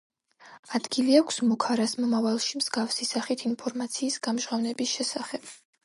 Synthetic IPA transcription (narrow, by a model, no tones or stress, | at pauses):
ad̪̥ɡiliakʷʰsmɔkʰaɾasmɔmavalˠʃimz̥ɡafsisaχit̪ʰinpʰɔɾmat̪sʰiːsɡamʒʁavnɛbisʃɛsaχɛb̥